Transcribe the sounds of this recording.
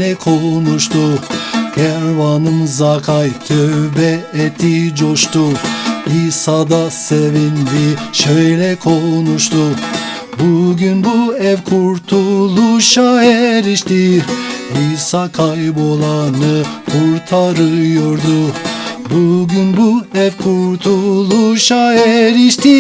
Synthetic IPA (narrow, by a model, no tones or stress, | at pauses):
lɛkʰo̞nuʃt̪ʰukʰɛɾvanɯmzakʰajt̪ʰøbɛɛt̪ʰid͡ʒo̞ʃt̪uisad̪asevind̪iʃøjlʲɛkʰo̞nuʃt̪ʰu | buɟynbuɛvkʰuɾt̪ʰulˠuʃaɛɾiʃt̪i | isakʰajbo̞lˠanɯkʰuɾt̪ʰaɾɯjo̞ɾd̪ubuɟynbuɛvkʰuɾt̪ʰulˠuʃaɛɾiʃt̪i